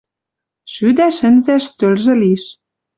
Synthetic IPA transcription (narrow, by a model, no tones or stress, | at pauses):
ʃyd̪æʃɘ̆nzæʃt̪ølʒĕliʃ